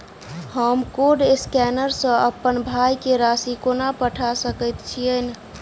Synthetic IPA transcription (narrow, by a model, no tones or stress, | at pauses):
həmkoɖeskɛnəɾsə̃əpːənbʱajkeɾasikonapəʈʰasəkəjt̪t͡ʃʰiən